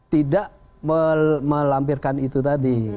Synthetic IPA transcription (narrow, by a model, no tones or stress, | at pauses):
t̪idaʔ | məməlampirkanit̪ut̪adi